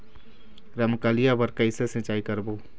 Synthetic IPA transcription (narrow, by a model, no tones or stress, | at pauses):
ɾɐmkaːlijabɐɾkɐɪsesɪ̃t͡ʃaːikɐɾboː